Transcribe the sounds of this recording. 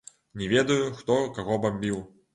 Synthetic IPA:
nʲɛvʲɛd̪ɐjuxt̪ɔkaɣɔbamʲbʲiw

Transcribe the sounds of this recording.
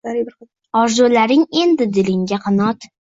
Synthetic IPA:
aɾɪbɪɾ | ɒɾzulaɾɪŋe̞nd̪ɪd̪ɪlɪŋɡʲaqʰɨnɒt̪

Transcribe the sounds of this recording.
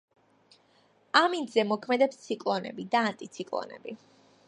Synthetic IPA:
amind̪zɛmɔkʰmɛd̪ɛpst̪sʰikʼlˠɔnɛ̰bid̪aːnt̪ʼit̪sʰikʼlˠɔ̰nɛ̰bi

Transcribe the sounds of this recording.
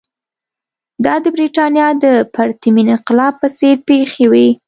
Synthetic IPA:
d̪ɑd̪əbɾiʈɑnjɑd̪əpaɾt̪iminɪnqɪlɑb̚pəseɾpexewi

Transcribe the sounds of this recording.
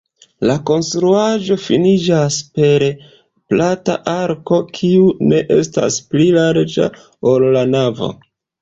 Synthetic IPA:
lako̞nstɾuaʒo̞finid͡ʒaspe̞ɾ | plata̰ʔaɾko̞kʰiune̞ʔe̞sta̰splilaɾd͡ʒa̰ | olːanavo̞̰

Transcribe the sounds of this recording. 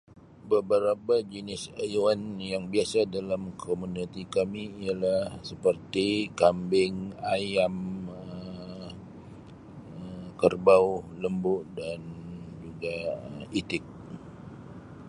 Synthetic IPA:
bəbəɾapad͡ʒinɪsajuanjaŋbiasadalamkʰomunit̪ikamiialahsəpərt̪ikambɪŋajamə | əkərbawləmbʊʔdand͡ʒuɡaəit̪ɪk̚

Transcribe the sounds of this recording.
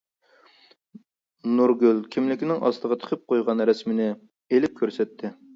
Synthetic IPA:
nuɾɡʲylkʲʰimlɪkʲinɪŋɑ̰st̪əʁɑt̪ʰə̥qʰəp̚qʰojʁɑnɾɛsmɪnɪ | elɪp̚kʲʰøɾsɛt̪ʰːɪ

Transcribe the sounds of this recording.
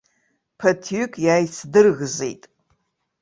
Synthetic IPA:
pʰɐtʰykʼjaːjsʰdɨrɣzḛjtʼ

